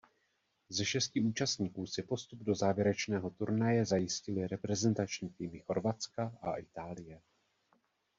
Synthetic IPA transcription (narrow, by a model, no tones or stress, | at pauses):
zɛʃɛscɪuːt͡ʃast̪ɲiːkuːsɪpo̞st̪ub̚do̞zaːvjɛɾɛt͡ʃnɛːɦo̞t̪uɾnajɛzajɪscɪlɪɾɛpɾɛzɛnt̪at͡ʃɲiːt̪imɪxo̞ɾvat͡skaʔa̰ʔɪt̪aːlɪjɛ